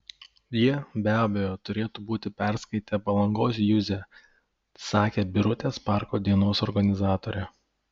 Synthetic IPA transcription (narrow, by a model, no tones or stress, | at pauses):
jiɛbʲæːbʲɛjoːt̪ʊɾʲeːt̪ubuːt̪ʲɪpʲæˑɾskɐɪt̪ʲɛpɐlˠɐŋɡoːs̬jʊzʲɛ | sɑːkʲeːbʲɪɾʊt̪ʲeːspɑˑɾkoːd̪ʲiɛnoːsɔɾɡɐnʲɪzɑːt̪oːɾʲɛ